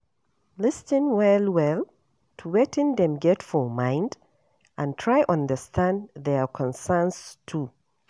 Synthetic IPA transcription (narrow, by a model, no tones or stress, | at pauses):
lɪstɪ̃nwɛlwɛl | tʰuwetɪ̃nðɛ̃mɡɛtfɔmãɪ̃nd | ʔə̃ntʰɹ̥aɪʔʌ̃ndəstʰãnðɛkʰɔ̃nsɛ̃˞nstʰu